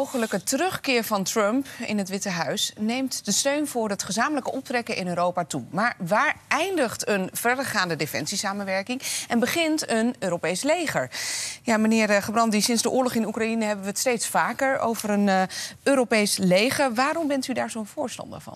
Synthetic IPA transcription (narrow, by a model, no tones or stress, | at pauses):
owχələkətərɵχkɪːɹvɑntrœmpɪ̰nɦətʋɪtəɦœɥsnejmtd̥əstøɥnvʊːɹətχəzaːmələkəʔɔp̚trɛkəʔɪnøːɾowpaːtumaːɹʋaːɹɛjndəχtənv̥ɛɹdəɹχaːndədefɛ̰nsisaːmənʋɛɹkɪŋɛnbəχɪntənøːɾowpejslejχəɹjaːmənɪːɹχəbrɑntdisɪnzdəʔʊːɹlɔχɪnukrainəɦɛbəʋəətstejtsfaːkəɹo̰wvəɾənʔøːɾowpejslejχəɹʋaːɾɔmbɛntydaːɹzowənv̥ʊːɹstɑ̰ndə̰ɹvɑ̰n